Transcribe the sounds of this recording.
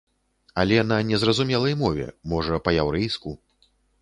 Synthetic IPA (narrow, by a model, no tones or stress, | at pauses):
ɐlʲɛnɐnʲɛzrɐzumʲɛlˠɐjmɔvʲɛ̰mɔʐɐpɐjawɾɛjsku